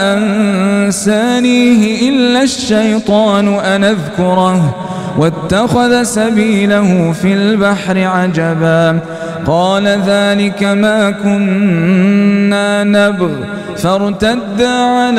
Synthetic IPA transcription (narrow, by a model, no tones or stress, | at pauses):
ʔansaːniːɦɪʔɪlːaʃːajt̪ˤɑːnʊʔanaðkʊɾˤɑh | wat̪ːaxaðasabiːlahʊfilbaħɾɪʕad͡ʒabaː | qɑːlaðaːlɪkamaːkʊn | aːnabɣ | faɾˤt̪ad̪ːaːʕal